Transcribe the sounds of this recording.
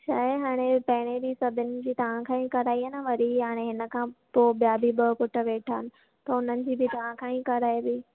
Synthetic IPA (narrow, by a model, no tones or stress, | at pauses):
t͡ɕʰaːɦeɦaːɽ̃epɐɦɪɽ̃ebiːsɐbʱɪnɪ̆d͡ʑiːt̪ɐʋ̤ãkʰãĩkɐɾaːianəʋɐɾiɦaːɽ̃eɦɪnə̆kʰãːpoːbijabʱibəkʊʈə̆ʋeːʈʰaːɪnɪ̆ | t̪ɐʊn̤ənɪ̆d͡ʑiːbɪt̪ɐʋ̤ãkʰãːĩkɐɾaːibɪ